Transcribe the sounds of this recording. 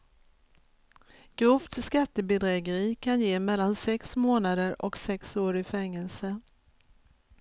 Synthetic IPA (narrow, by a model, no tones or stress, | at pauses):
ɡ̥ɾɵft̪ʰɪskat̪ːəbɛd̪ɾɛːɡəɾiːkʰanjeːmɛlːansɛksmoːnad̪əɾɔksɛksoːɾɪfɛŋːɛlsə